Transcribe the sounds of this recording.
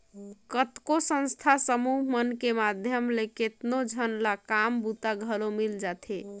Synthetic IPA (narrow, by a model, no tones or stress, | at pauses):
kət̪kosə̃nst̪ʰasəmuɦmənkemad̪ʱjəmleket̪nod͡ʒʱənlakambut̪aɡʱəlomild͡ʒat̪ʰe